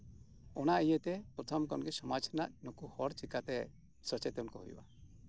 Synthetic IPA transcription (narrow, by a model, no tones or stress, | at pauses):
ɔnaʔijət̪ɛpɾɔt̪ʰɔmkɔnɡɛsɔmat͡ʃʰna̰ʔnɔkuhɔɾt͡ʃikat̪ɛ | sɔt͡ʃɛt̪ɔnkɔɦṵjba̰